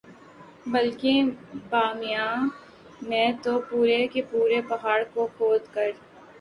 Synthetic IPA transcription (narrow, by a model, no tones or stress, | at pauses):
bəlkebaːmɪjaː | mɛ̃t̪opuːɾekepuːɾepɐɦaːɽkokoːd̪kəɾ